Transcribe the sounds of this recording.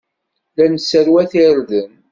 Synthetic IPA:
lænsəɾwæθɪɾðən

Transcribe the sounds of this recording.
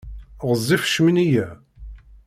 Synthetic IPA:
ʁəzˤːifʃmənijæ

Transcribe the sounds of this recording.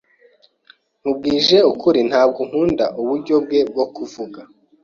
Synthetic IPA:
ŋ̥ub̚ɡiːʒe̞ukuɾin̥haːb̚ɡoŋ̥huːnda̰ʔuβuɾɟo̞b̚ɡe̞b̚ɡo̞kuvuɡa

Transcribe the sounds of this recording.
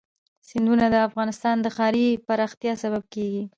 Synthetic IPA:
sɪnd̪unad̪əafɣɑnɪst̪ɑnd̪əxɑɾipaɾɑxt̪jɑsaβab̚keɡi

